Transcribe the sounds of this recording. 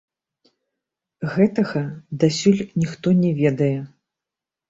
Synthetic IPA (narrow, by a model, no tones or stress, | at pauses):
ɣɛt̪ɐɣɐd̪asʲulʲnʲixt̪ɔnʲɛvʲɛd̪ɐjɛ